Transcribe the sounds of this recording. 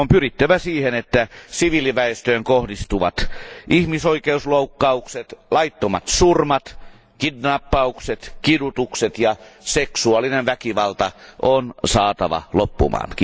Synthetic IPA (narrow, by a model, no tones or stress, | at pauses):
ompyrit̪ːæʋæsiːhenet̪ːæsiʋiliʋæest̪øːŋkohdist̪uʋɑt̪ʔihmisoikeusloukːɑukset̪lɑit̪ːomɑ̰t̪surmɑt̪ | kidnɑpːɑukset̪kidut̪ukset̪jɑseksuɑlinenʋækiʋɑlt̪ɑʔonsɑːt̪ɑʋɑ̰lopːṵmɑ̰ːnki